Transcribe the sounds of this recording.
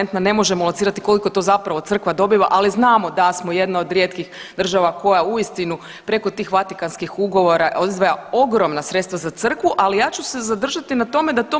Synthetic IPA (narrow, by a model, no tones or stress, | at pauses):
nt̪nane̞mo̞ʒemolˠansiːɾat̪iko̞likot̪o̞zapɾaʋo̞t̪sr̩kʋad̪o̞biʋaʔaliznaːmo̞d̪asmo̞je̞d̪naod̪ɾjet̪kix | d̪r̩ʒaʋako̞jauist̪inu | pɾe̞ko̞t̪iːxʋat̪ikanskixuɡo̞ʋo̞ɾaoizʋajao̞ɡɾo̞mnasɾe̞t̪st̪ʋazat̪sr̩kʋuʔalijaːt͡ɕuse̞zad̪r̩ʒat̪inat̪o̞me̞d̪at̪o̞